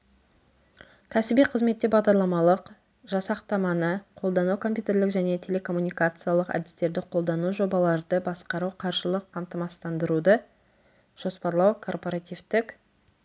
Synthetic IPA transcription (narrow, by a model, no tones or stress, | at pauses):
kʲʰæsɪbijqʰəzme̞t̪ːebɑʁd̪ɑɾlˠɑmɑlˠəq | ʒɑsɑqt̪ɑmɑnəqʰo̞lˠd̪ɑnukʰo̞mpʲjut̪e̞ɾlɪkʒæne̞t̪ʰe̞le̞kʰo̞mːunijkat̪sɨjalˠəqæ̰d̪ɪst̪e̞ɾd̪ɪqʰo̞lˠd̪ɑnuʒo̞bɑlˠɑɾd̪əbɑsqɑɾuqʰɑɾʒəlˠəqʰːɑmt̪əmɑst̪ɑnd̪əɾud̪ə | ʒ̥o̞spɑɾlˠɑwkʰo̞rpo̞ɾat̪ivt̪ɪk